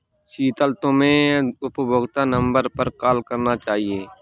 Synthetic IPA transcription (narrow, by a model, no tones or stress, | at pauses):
ʃiːt̪əlt̪õmẽʊpbʱoːɡt̪anə̃mbəɾpəɾkaːlkəɾnat͡ʃaːɦieː